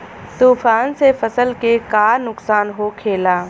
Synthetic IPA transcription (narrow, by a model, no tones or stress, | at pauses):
t̪uːfaːnsefəsəlkekaːnʊksaːnɦoːkʰeːlaː